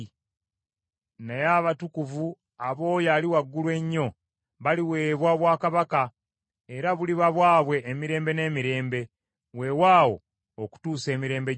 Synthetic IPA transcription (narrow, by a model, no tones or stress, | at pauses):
nejaβatukuvu | aβo̞ːjaːliwaɡːulwe̞ɲːo̞ | βaliwe̞ːβwaβwaːkaβaka | e̞ɾaβuliβaβwaːβwe̞ʔːmiɾe̞ːmbe̞ne̞ːmiɾe̞ːmbe̞ | we̞waːwo̞̰ | oku̥tuːse̞ːmiɾe̞ːmbe